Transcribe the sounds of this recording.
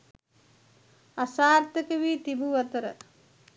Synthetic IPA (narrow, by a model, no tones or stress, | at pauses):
asaːrt̪əkəʋiːt̪ibuʋət̪əɾə̰